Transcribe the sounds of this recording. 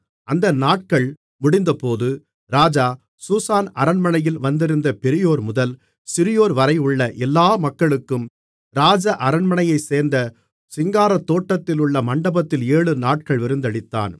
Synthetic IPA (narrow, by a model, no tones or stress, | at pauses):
ʔɐnd̪ɐnaːʈ̚kɐɭ | mʊɽɪnd̪ɐpoːðɯ | ɾaːd͡ʒaː | susaːnɐɾɐɳmɐɳɐjɪlʋɐnd̪ɪɾɯnd̪ɐpɛɾɪjoːɾmʊðɐl | sɪɾɪjoːɾʋɐɾɐɪɯɭːɐʔɛlːaːmɐkːɐɭɯkːɯm | ɾaːd͡ʒɐʔɐɾɐɳmɐɳɐjɐɪseːɾnd̪ɐ | sɪŋɡaːɾɐt̪ːoːʈːɐt̪ːɪlʊɭːɐmɐɳɖɐbɐt̪ːɪleːɭɯnaːʈ̚kɐɭʋɪɾɯnd̪ɐɽɪt̪ːa̰ːn